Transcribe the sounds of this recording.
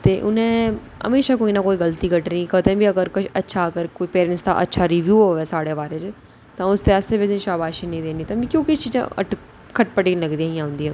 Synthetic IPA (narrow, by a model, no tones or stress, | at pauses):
t̪eːʔʊnẽː | ə̰meːʃaːkoːiːnaːkoːiːɡəlt̪iːkəʈnĩːkət̪ẽːbiːəɡəɾkʊt͡ʃətːʃʰaːkəɾkoːiːpeːɾɛ̃nst̪ã̰ːʔə̰tːʃʰaːɾiːʋjuːɦoːʋeːsaːɽeːʋaːɾẽːt͡ʃe | t̪ãːʊst̪eːaːst̪eːbisĩʃaːbaːʃiːnəĩːd̪eːniːt̪ãːbiːkjõːkɪst͡ʃiːzã̰ːə̰ʈ | kʰəʈpəʈiːnləɡd̪iãːĩãːɦʊ̃nd̪iːãː